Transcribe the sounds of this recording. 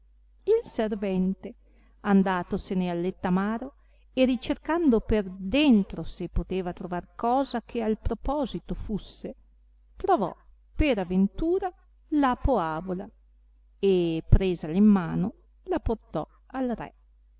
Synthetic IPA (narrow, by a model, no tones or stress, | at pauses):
ilservɛnt̪e | and̪aːt̪osenealːet̪ːamaːɾo | erit͡ʃerkand̪operd̪ent̪ɾosepːot̪eːvat̪ɾovarkɔːzakʰealpɾopɔːzit̪ofusːe | t̪ɾovɔ̰ | peɾavent̪uːɾa | lapoaːvola | epɾeːzaleimːaːno | laport̪ɔ̰ | alrɛ̰